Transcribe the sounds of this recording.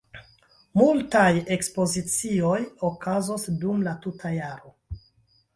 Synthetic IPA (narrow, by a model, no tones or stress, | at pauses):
multaje̞kspo̞zit͡sio̞jokʰazosdumlatutʰajaɾo̞